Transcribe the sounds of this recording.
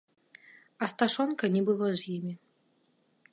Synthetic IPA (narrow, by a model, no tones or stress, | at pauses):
ɐst̪aʂɔnkɐnʲɛbɨlˠɔzʲjimʲi